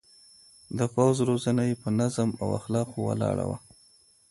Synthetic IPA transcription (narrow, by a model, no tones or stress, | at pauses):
d̪əfawzɾozanajepənazəma̰wa̰xlɑqowa̰lɑ̰ɽa̰wa